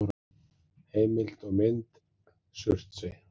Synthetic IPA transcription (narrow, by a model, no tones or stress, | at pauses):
ɾ | hejmɪl̥t̪ɔɣmɪnt̪ | sʏr̥t̪sɪ